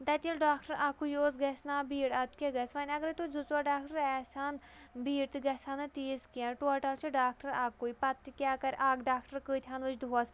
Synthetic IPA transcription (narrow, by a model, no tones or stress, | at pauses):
t̪ɐt̪ʲilɖaːkʈəɾʔaːkujoːsɡɐsnaːbiːɽɐt̪kʲeɡɐsʋɐnʲɐɡəɾt̪ud͡zut͡swaɖaːkʈɐɾɛːsaːnbiːɽt̪ɨɡɐsaːnɨt̪iːskiãʈoʈɐlt͡ʃʰiɖaːk̚ʈəɾaːkːuipɐt̪ːikʲaːkɐɾʔaːɡɖaːkʈəɾkɨːt̪ʰʲjaːnʋɨt͡ʃd̪uɦaːs